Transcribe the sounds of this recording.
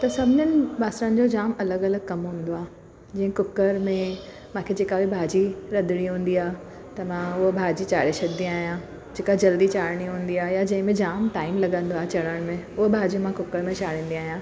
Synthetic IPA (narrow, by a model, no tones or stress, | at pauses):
t̪ɐsɐbʱɪɲənɪ̆baːsɾənɪ̆d͡ʑod͡ʑaːmɐləɡɐləɡ̚kɐmɦũːnd̪oaːɦ | d͡ʑĩːɪ̃kʊkːəɾmẽ | mãːkʰed͡ʑeːkabibʱaːd͡ʑiɾɐd̪ʱɪɽ̃iɦũːn̆d̪iaːɦe | t̪ɐmãʊɦobʱaːd͡ʑit͡ɕaːɾeʃɐɾd̪ĩaːɦijã | d͡ʑeːkad͡ʑɐld̪it͡ɕaːɾɽ̃iɦũːn̆d̪iaːɦjad͡ʑɐ̃ɦɪ̃mẽd͡ʑaːmʈaːɪmlɐɡə̃nd̪oaːɦet͡ɕɐɽəɽ̃mẽʊɦobʱaːd͡ʑiũmãkʊkːəɾmẽt͡ɕaːɾ̤ĩːn̆d̪iaːɦijãː